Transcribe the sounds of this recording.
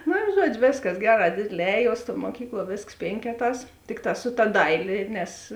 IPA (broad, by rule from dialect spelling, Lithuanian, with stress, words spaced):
ˈnʊ ɪ ˈʒuɔd͡ʒʲʊ ˈʋʲeːsˌkɐs ˈɡʲæːˌrɑː ˈdʲeːdʲeːˌlʲɛː ˈɛːˌjuɔs tuɔ muɔˈkʲiːklˠuɔ ˈʋʲeːsks ˈpʲeːŋʲkʲɛˌtɑːs ˈtʲɪkˌtɑː sʊ tɐ ˈdɐɪlʲeː ˈnʲɛs